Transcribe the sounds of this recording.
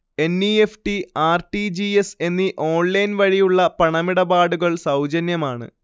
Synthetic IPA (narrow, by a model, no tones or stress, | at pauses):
e̞nːiefʈiaːrʈid͡ʑiese̞nːiʔo̞ːɳlɐjnʋɐɻijuɭːɐpɐɳɐmiɽɐbaːɽuɣɐɭsɐwd͡ʑɐnjɐmaːɳɨ̰